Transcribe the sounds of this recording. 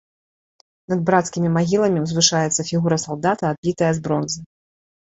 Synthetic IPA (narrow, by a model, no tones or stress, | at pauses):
nɐd̪̚bɾat̪skʲimʲimaɣʲilˠɐmʲiwzvɨʂajɛt̪sːɐfʲiɣuɾɐsalˠd̪at̪ɐːd̪̚bʲit̪ɐjɐzbɾɔnzɨ